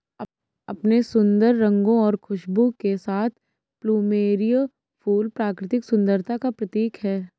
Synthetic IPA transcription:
ɐpnesʊ̃nd̪əɾːɐ̃ŋɡõɔːɾkʰʊʃbũkesaːt̪ʰ | pluːmeːɾij | fʰuːlpɾaːkɾɪt̪ɪksʊ̃nd̪əɾt̪ʰakapɾɐt̪iːkɦɛː

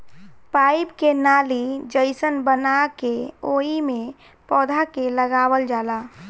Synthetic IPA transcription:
paːipkenaːlid͡ʒəɪsənbənakeoːimẽ | pɔːd̪ʱakeləɡaːwəld͡ʒaːlaː

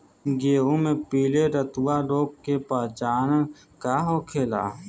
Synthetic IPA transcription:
ɡeːumẽpiːleɾət̪waɾoːkkepaːt͡ʃaːn | kaɦoːkʰeːla̰ː

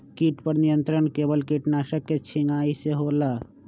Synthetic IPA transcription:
kiːʈpɐɾnijə̃nt̪ɾəɳkeːbəlkiʈnaːʃəkːet͡ʃʰɪŋɡaːiseɦoːlaː

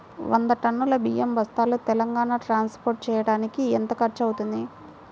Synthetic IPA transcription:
ʋɐ̰nd̪ɐʈɐɳːulɐbijembɐst̪aːlut̪ɛlɐŋɡaːnaːʈɾaːnspoːɾʈ̚t͡ʃɛːjɐɽaːnikiɛnt̪ɐkɐɾt͡ʃɐwut̪und̪i

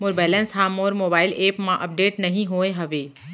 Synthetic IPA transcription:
moɾbɛːlə̃nsɦaːmoːɾmoːbaːɪleːpmãʔɐp̚ɖeːʈnɐɦĩɦoːeɦɐʋeː

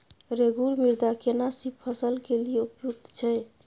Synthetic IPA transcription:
ɾeɡuɾmiɾd̪akenasippʰəsəlkelijeupjuk̚t̪t͡ʃʰɛ

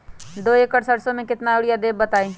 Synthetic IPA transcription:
d̪oːekəʈsəɽsõmẽkɪt̪naʊɽijad̪eːbbɐt̪aːĩː

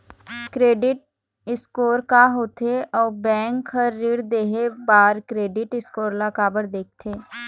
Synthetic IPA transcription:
kɾeːɖɪʈ̚ | ɪskoːɾkaɦoːt̪ʰeʔɔːbɛ̃ːŋkhəɾːɪːɽd̪eːɦebaːɾkɾeːɖɪʈɪskoːɾlakaːbəɽd̪eːk̚ʰt̪ʰeː

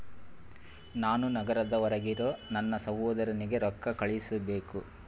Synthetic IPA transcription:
naːnunɐɡɐɾɐd̪ɐʋɔɾɐɡiɾoːnɐnːɐsɐʋoːd̪ɐɾɐniɡe̞ɾɔkːɐkɐɭisɐbe̞ːku

